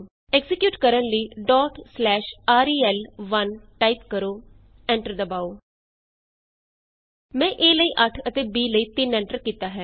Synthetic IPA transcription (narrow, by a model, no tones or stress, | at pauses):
ɛːɡzɪkjuːʈkəɾənləiːɖɔːʈslɛːʃaːɾiːɛːlʋənʈaːipkəɾoː | ɛ̃ːɳʈəɾd̪əbaːoː | mɛ̃ːʔeːləiːʔəʈʰət̪eːbiːləiːt̪ɪnɛ̃ːɳʈəɾkiːt̪aːɦɛː